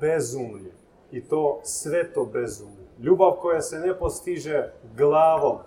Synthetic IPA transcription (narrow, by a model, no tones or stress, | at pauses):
bezumlje | it̪oːsʋet̪obezumleʎuːbaʋkojasenepost̪iʒɛɡlˠaːʋom